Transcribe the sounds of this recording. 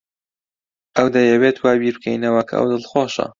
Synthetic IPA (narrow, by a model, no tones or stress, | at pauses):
ʔɐwd̪ɐjɐβeːt̪waːbiːɾb̚kʰɛjnɐwɐkʰɐ̰ʔɐ̰wd̪ɨlxoːʃɐ̰